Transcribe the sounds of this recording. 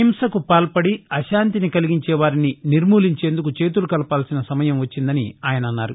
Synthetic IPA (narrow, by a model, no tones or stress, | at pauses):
imsɐkupaːlpɐɽiɐʃaːnt̪inikɐliɡiɲt͡ʃɛːʋaːɾininiɾmuːliɲt͡ʃeːnd̪ukut͡ʃe̞ːt̪ulukɐlɐpaːlsinɐsɐmɐjɐmʋɐt͡ʃːind̪ɐniaːjɐnɐɐnːaːɾu